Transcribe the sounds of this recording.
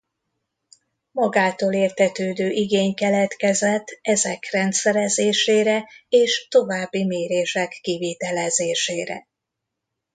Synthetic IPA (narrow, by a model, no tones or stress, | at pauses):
mɒɡaːt̪oːleːrt̪hɛt̪øːd̪øːʔiɡeːɲkɛlɛt̪kɛzɛt̪ʰːɛzɛkrɛnt̪sɛɾɛzeːʃeːɾɛeːʃt̪o̞vaːbːimeːɾeːʃɛkːiviːt̪ɛlɛzeːʃeːɾɛ̰